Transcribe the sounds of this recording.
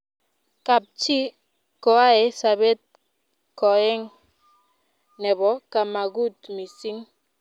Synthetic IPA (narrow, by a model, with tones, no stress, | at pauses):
ka˨p̚t͡ʃi˦ | kɔ˨a˦ɛ˨sa˨bɛ˦t̪̚ | kɔ˨ɛ˦ŋ | nɛ˨bɔ˨ka˨ma˨ɡu˦t̪mi˨si˦ŋ